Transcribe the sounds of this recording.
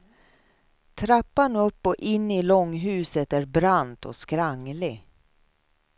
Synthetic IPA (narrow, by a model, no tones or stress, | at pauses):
t̪ʰɾapːanɵpːɔʔɪnːɪlɔŋːɦʉ̟ːsət̪æɾbɾant̪ʰɔ̰skɾaŋːlɪ